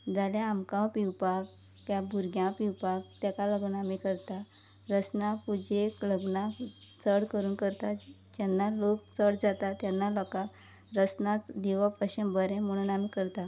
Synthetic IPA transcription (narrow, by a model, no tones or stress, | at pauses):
d͡zaljaamkãpiwpakː | jãbʱuɾɡjãwpiwpak̚t̪jakaləɡnaamikəɾt̪a | ɾət͡snapud͡ʑekləɡnat͡səɽkəɾuːnkəɾt̪a | d͡ʑanːalok̚t͡səɽd͡zat̪at̪janːalɔka | ɾət͡snat͡sd̪iʋapəɕəmbəɾẽmoɽ̃unamikəɾt̪a